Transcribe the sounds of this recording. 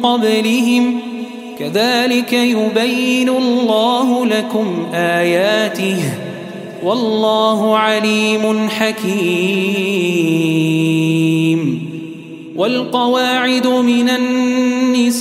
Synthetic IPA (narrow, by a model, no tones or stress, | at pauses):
qɑblɪɦɪm | kaðaːlɪkajʊbajːɪnʊlllːaːɦʊlakʊmʔaːjaːt̪ɪh | wɑlˤːɑːɦʊʕaliːmʊnħakiː | m | wʔalqɑwaːʕɪd̪ʊmɪnanːɪs